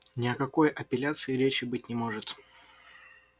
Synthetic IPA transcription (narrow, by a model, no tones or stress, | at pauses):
nʲɪɐkɐko̞jʔɐpʲɪlʲat̪sɨɪɾʲet͡ɕɪbɨt̚ʲnʲɪmo̞ʐɨt̪